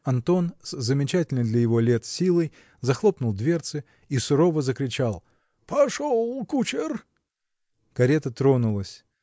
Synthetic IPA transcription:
ɐnt̪o̞nszəmʲɪt͡ɕætʲɪlʲnəjd̪lʲɐjɪvo̞lʲet̪sʲilˠəj | zɐxlˠo̞pnʊlˠd̪vʲe̞rt̪sɨ | isʊɾo̞vəzəkɾʲɪt͡ɕalˠ | pɐʂolˠkut͡ɕɪr | kɐɾʲet̪ət̪ɾo̞nʊlˠəsʲ

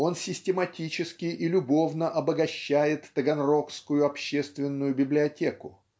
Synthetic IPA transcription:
o̞nsʲɪsʲtʲɪmɐtʲit͡ɕɪskʲɪʔilʲʊbo̞vnəʔɐbəɡɐɕːæjɪt̪ːəɡɐnro̞fskʊjʊɐpɕːest̪vʲɪnːʊjʊbʲɪblʲɪɐtʲe̞kʊ

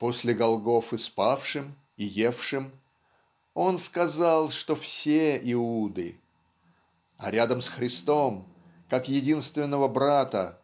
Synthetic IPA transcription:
po̞sʲlʲɪɡɐlˠɡo̞fɨspafʂɨm | ɪje̞fʂɨm | o̞nskɐzalˠʂt̪o̞fsʲeʔɪud̪ɨ̰ | ɐ̰ɾʲad̪əmsxɾʲɪst̪o̞m | kakjɪdʲinst̪vʲɪnːəvəbɾat̪ə̰

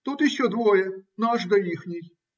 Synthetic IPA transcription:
t̪ut̪jɪɕːɔd̪vojɛnoɐʐd̪ɐixnʲɪj

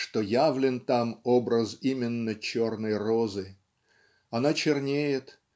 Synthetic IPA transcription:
ʂt̪ojavlʲɪnt̪amobɾəzimʲɪnːət͡ɕo̞rnəjrozɨ | ɐnat͡ɕɪrnʲejɪt̪

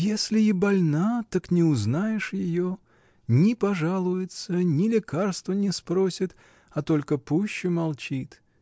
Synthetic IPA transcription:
jesʲlʲɪɪbɐlʲnat̪aknʲɪʊznajɪʂjɪjo | nʲɪpɐʐalˠʊjɪt̪sənʲɪlʲɪkarst̪vənʲɪspɾo̞sʲɪt̪ | ɐt̪o̞lʲkəpuɕːʊmɐlˠt͡ɕit̪

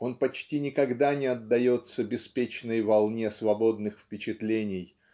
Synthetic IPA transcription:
o̞npɐt͡ɕtʲinʲɪkɐɡd̪anʲɪɐd̪ːɐjo̞t̪səbʲɪspʲet͡ɕnəjvɐlˠnʲesvɐbo̞d̪nɨxfpʲɪt͡ɕɪt̪lʲenʲɪj

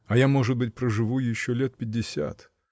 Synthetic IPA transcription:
ɐjamo̞ʐɨd̪̚bɨt̚ʲpɾəʐɨvujɪɕːolʲet̪̚pʲɪdʲːɪsʲa̰t̪

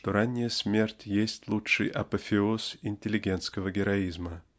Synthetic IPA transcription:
ʂt̪oɾanʲːɪjəsʲmʲe̞rtʲjesʲtʲlˠutɨ̰jʔɐ̰pəfʲɪosɪnʲtʲɪlʲɪɡʲe̞nt̪skəvəɡʲɪɾɐizmə

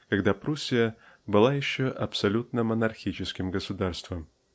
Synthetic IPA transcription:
kɐɡd̪apɾusʲːɪjə | bɨlˠajɪɕːoʔɐpsɐlʲut̪nəmənɐrxʲit͡ɕɪskʲɪmɡəsʊd̪arst̪vəm

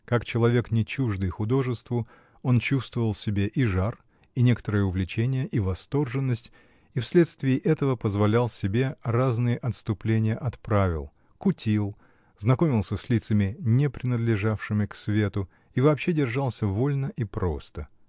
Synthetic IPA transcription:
kakt͡ɕɪlˠɐvʲe̞knʲɪt͡ɕuʐd̪ɨjxʊd̪o̞ʐɨst̪vʊ | o̞nt͡ɕust̪vəvəlˠsʲɪbʲeʔiʐar | inʲe̞kə̥t̪əɾəjəʊvlʲɪt͡ɕenʲɪjəʔivɐst̪o̞rʐɨnːəsʲtʲ | ifsʲlʲe̞t̪st̪vʲɪːʔɛt̪əvəpəzvɐlʲalˠsʲɪbʲe̞raznɨjəʔɐt̪st̪ʊplʲenʲɪjəʔɐt̪pɾavʲɪ̰lˠ | kʊtʲilˠ | znɐko̞mʲɪlˠsʲəsʲlʲit̪səmʲɪnʲepɾʲɪnəd̪lʲɪʐafʂɨmʲɪksvʲe̞t̪ʊ | ivɐːpɕːedʲɪrʐalˠsʲəvo̞lʲnəʔipɾo̞̰st̪ə

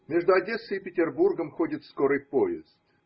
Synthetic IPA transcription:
mʲeʐd̪ʊɐdʲesɨɪpʲɪtʲɪrburɡəmxodʲɪt̪skoɾɨjpoɪ̰st̪

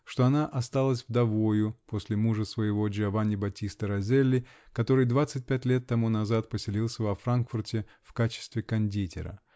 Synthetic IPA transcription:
ʂt̪oɐnaʔɐst̪alˠəsʲvd̪ɐvo̞jʊpo̞sʲlʲɪmuʐəsvəjɪvo̞d͡ʒɪɐvanʲɪbɐtʲist̪əɾɐzʲelʲːɪ | kɐt̪o̞ɾɨjd̪vat̪sɨt̚ʲpʲætʲlʲe̞t̪ːɐmunɐzat̪̚pəsʲɪlʲilˠsʲəvɐfɾankfʊrtʲɪ | fkat͡ɕɪ̥st̪vʲɪkɐnʲdʲitʲɪ̰ɾə̰

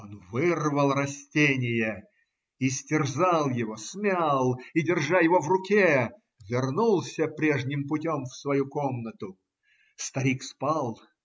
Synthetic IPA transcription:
onvɨrvəlˠrɐsʲtʲenʲɪjə | isʲtʲɪrzɑlˠjɪvo̞smʲalˠidʲɪrʐajɪvo̞vrʊkʲe | vʲɪrnulˠsʲəpɾʲeʐnʲɪmpʊtʲomfsvɐjuko̞mnət̪ʊ | st̪ɐɾʲikspɑlˠ

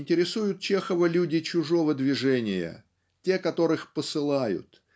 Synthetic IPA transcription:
nʲtʲɪɾʲɪsujʊt̪̚t͡ɕexəvəlʲudʲɪt͡ɕʊʐo̞vəd̪vʲɪʐɛnʲɪjə̰ | tʲe̞kɐt̪o̞ɾɨxpəsɨlˠajʊ̰t̪

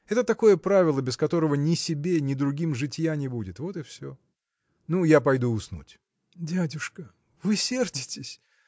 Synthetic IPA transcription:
ɛt̪ət̪ɐko̞jəpɾavʲɪlˠəbʲɪskɐt̪o̞ɾəvənʲɪsʲɪbʲenʲɪd̪ɾʊɡʲimʐɨtʲjanʲɪbudʲɪt̪vo̞t̪ɨfsʲo̰ | nujapɐjd̪uʊsnṵtʲ | dʲædʲʊʂkə | vɨsʲerdʲɪtʲɪsʲ

